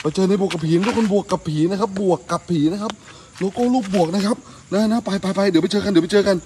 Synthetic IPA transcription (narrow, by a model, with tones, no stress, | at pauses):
la˧˩t͡ɕɤː˧na˧jbu˨˩əkːa˨˩pʰiː˨˦˧kʰnbu˨˩əkːa˨˩pʰːiː˨˩˦na˦˥˩kʰa˦˥p̚bu˨˩əkːa˨˩pʰːiː˩˦na˦˥˩kʰa˦˥p̚ | lo˧˥kɔː˥˩luː˥˩p̚bu˨˩ək̚na˦˥kʰa˦˥p̚ | na˦˥na˦˥pa˧jpa˧jpa˧jd̪m˧˩jt͡ɕɤː˧ka˧ndma˧jt͡ɕɤː˧ka˧n